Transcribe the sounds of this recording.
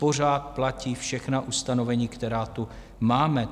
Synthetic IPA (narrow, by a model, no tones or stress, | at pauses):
po̞r̝aːt̪̚placiːfʃɛxnaʔust̪ano̞vɛɲiːkt̪ɛɾaːt̪u | maːmɛ